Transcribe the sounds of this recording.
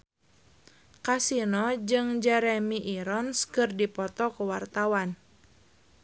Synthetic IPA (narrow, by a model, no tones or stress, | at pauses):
kasinɔd͡ʒɨŋd͡ʒɛɾɛmiʔiɾɔnskɨrdipɔt̪ɔkuwart̪awan